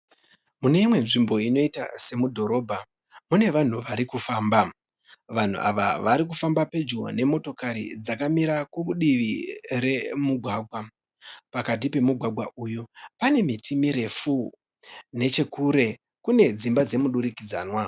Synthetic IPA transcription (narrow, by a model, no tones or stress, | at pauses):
mune̞imwe̞nʐimbo̞ino̞ita̰se̞mudʱo̞ɾo̞ːbʱa | mune̞ʋan̤uʋaɾikufaːmba | ʋan̤ṵʔa̰ʋa̰ʋaɾik̬ufambape̞d͡ʒɡo̰ne̞mo̞to̞kaɾḭd͡zakamiɾakuuɗiʋire̞muɡʱwaːɡʱwa | pakat̬ipe̞muɡʱwaɡʱwaʔuːjopane̞mitʰimiɾe̞fu | ne̞t͡ʃe̞kuɾe̞ | kune̞d͡zimbad͡ze̞muɗuɾikid͡zaːnwa